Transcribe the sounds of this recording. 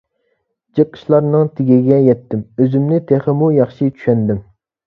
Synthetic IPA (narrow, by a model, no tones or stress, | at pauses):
d͡ʒɨqʰːə̥ʃlˠɑɾnɨŋt̪ʰɪɡʲiɡʲɛjɛt̪ʰːɪmøzymnɪt̪ʰeχɪmujɑχʃit͡ʃʰy̥ʃɛnd̪ɪm